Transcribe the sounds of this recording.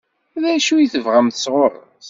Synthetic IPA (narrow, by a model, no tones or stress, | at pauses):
ðæʃujiθəvʁæmθəsʁoɾˤə̰ | θ